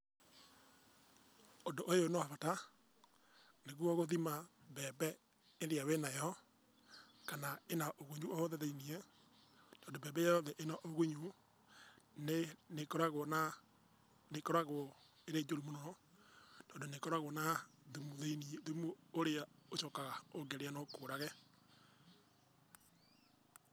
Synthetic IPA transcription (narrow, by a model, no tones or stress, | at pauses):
odoʔojonoavata | neɣwɔɣoðimaβɛbɛ | eðeawenajɔ | kanaenaʔoɣuɲuʔooðɛðeiniɛ | tɔːndoβɛːbɛjajɔðɛʔenaʔoɣuɲu | nenekɔɾaɣona | nekɔɾaɣo | eɾeːd͡ʒoɾimonɔ | tɔːndonekɔɾaɣwonaðumuðeniðumuoɾeaoʃɔkaɣaoɡeɾeanokoːɾaɣɛ